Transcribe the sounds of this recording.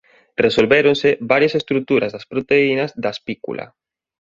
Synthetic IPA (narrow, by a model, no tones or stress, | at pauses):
resolβeɾonsebaɾjasest̪ɾut̪uɾazðaspɾot̪einazðaspikṵlʔa̰